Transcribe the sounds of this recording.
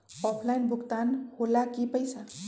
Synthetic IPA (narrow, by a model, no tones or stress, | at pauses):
ɔpʰlajnbʱukt̪anholakipəjsa